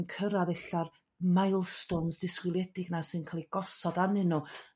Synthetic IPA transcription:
nkʰəɾaðɛɬar | majlˠstɔnsd̥ɪskwɪlˠjɛdɪɡnasɨnkʰaːlˠiɡ̥ɔsɔdanɨnu

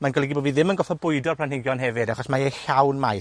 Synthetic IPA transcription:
manɡɔlˠɛɡiboːviðɪmənɡɔfɔbʊɨdɔrpʰl̥ˠanhɪɡjɔnɦɛvɨdaχɔsmaeɬawnmaj

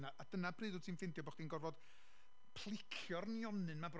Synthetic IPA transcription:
naʔad̥ənab̥rɨðʊ̥tʰiːnfɪndjɔbɔχd̥inɡɔrvɔd̥ | pʰlˠɪkʰjɔrnjɔnɨnmab

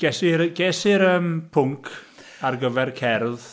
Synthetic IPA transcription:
ɡ̥ɛsɪɾɡ̥ɛsɪɾəmpʰʊŋkʰ | arɡəvɛrkʰɛrð

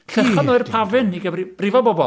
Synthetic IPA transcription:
ɬɛχɔnoːɨrpʰavɨniɡəbrib̥rivɔbɔbɔ

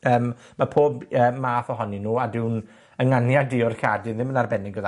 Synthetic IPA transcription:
əːm | mapʰoːbəːmaːθɔɦɔninuːadɪwn | əŋanjadɪʊrkadɪðɪmənarbɛnɪɡvəð

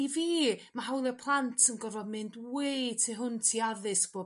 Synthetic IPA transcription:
iviːmaɦawlˠɛpʰlˠantʰənɡɔvɔmɪndwejtʰiɦʊntʰiaðɨsb̥o

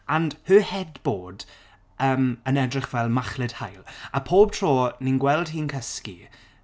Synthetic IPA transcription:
an̥høːhɛdboːd | əːmənɛdrɪχvɛlˠmaχlɪd̥hajlˠapʰoːb̥̚tʰroːninɡwɛlˠd̥hiːnkʰəski

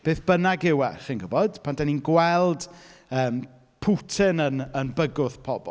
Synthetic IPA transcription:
b̥eːθb̥ənaɡɪwɛχinɡʊbɔd̥pʰandaninɡwɛlˠdəːm | pʰutʰɪnənənbəɡʊθpʰɔbɔ̰

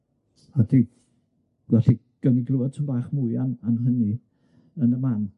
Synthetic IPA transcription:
adi | vɛɬi | ɡ̥əniɡluɔd̥̚tʰənbaːχmʊjananɦəni | ənəman

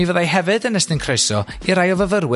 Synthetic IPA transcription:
ivəðajɦɛvɨdənəstɨnkʰr̥ejsɔ | iɾajɔvəvəɾwɪ

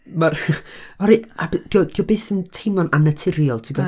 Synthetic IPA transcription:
marɔɾiabd̥iɔd̥iɔbeːθəntʰejmɔnanətʰɪɾjɔlˠtʰiɡɔ

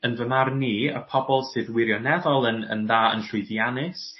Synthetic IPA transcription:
ənvəmarniːə̰pʰɔbɔlˠsɨːðwɪɾjɔnɛðɔlˠənə̰nðaːə̰nɬʊɨðjanɪs

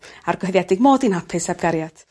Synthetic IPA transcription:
arɡ̥ɔhəðjɛdɪɡ̚moːdinhapʰɨsab̚ɡ̥aɾjad̥

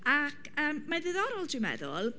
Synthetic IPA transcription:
akʰəːmːaðɨðɔɾɔlˠdɪmɛ̰ðɔ̰lˠ

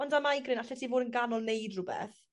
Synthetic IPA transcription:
ɔndamajɡrɪnaɬɛtʰivoːdənɡanɔlˠnejdrʊbɛ̰θ

